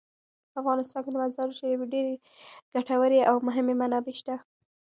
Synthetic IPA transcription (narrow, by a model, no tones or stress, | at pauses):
afɣɑnɪst̪ɑnked̪əmazɑɾuʃajaweɖeɾe | ɡ̥aʈawəɾeʔawmʊɦɪmemanɑbeʃt̪a